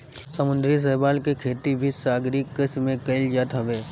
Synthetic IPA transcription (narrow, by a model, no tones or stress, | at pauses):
səmʊ̃nd̪ɾis̬ɛːbaːlkekʰeːt̪ibʱisaːɡɾiːkːɪsmẽkɐɪld͡ʒaːt̪ɦɐʋeː